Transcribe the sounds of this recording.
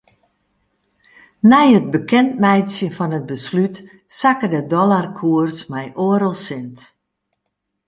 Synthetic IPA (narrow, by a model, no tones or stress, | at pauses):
nɛjət̚bəkʰɛntmɛjtsjəfɔnət̚bəslyt | sakədədɔlarkʰuərsmɛjʔoəɾəlˠsɪnt